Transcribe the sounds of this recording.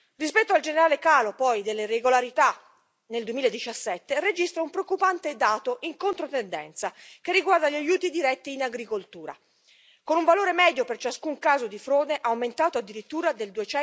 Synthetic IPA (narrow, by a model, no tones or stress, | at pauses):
rispɛt̪ːoald͡ʒeneɾaːlekaːlopɔjd̪elːereɡolaɾit̪a | neld̪uemilaed̪ːit͡ʃasːɛt̪ːered͡ʒist̪ɾaumpɾeokːupant̪ed̪aːt̪oʔiŋkont̪ɾot̪end̪ɛ̰nt̪sak̟erːiɡward̪aʎiajuːt̪id̪iɾɛt̪ːiːnaɡɾikolt̪uːɾa̰ | konuɱvaloːɾemɛːd̪jopert͡ʃaskuŋkaːzod̪ifɾoːd̪eʔawment̪aːt̪oad̪ːiɾit̪ːuːɾad̪eld̪uet͡ʃɛ